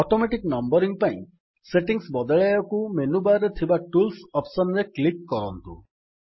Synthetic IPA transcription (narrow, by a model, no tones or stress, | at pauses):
ɔʈomeʈiknɔmbɔɾiŋpaḭ̃ | seʈiŋsbɔd̪ɔɭɛjɔkumenubaɾet̪ʰibaʈulsɔpsɔnɾeklikːɔɾɔnt̪ṵ